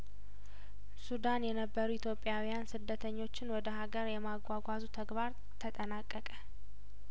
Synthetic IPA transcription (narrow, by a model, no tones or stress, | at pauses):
sud̪anjɛnəbːəɾuit̪ʰjo̞pʼːɪjawijansɨd̪ːət̪ʰəɲːo̞t͡ʃːɪnwɔd̪əɦaɡəɾjɛmaɡʷaɡʷazut̪ʰəɡbaɾ | t̪ʰət̪ʼənakʼːəkʼə